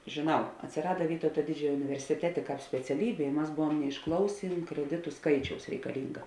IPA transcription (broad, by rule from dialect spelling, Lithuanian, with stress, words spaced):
ʒʲeːˈnɐʊ ɐtʲsʲɪˈrɑːdɐ ˈʋʲiːtɐʊtɐ ˈdʲɪd͡ʒʲoːjoː ʊnʲɪʋʲɛrʲsʲɪˈtʲæːtʲeː sʲpʲɛt͡sʲɛˈlʲiːbʲeː ɪ ˈmɐs ˈbʊʋuɔm nʲɛɪʃˈklˠɐʊsʲeːn krʲɛˈdʲɪtʊ ˈskɐɪt͡ʃʲɛʊs rʲɛɪkɐˈlʲɪŋɡɐ